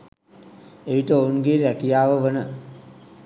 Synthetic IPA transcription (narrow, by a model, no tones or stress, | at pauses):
eiʈəounɡeːɾækijaːʋəʋənə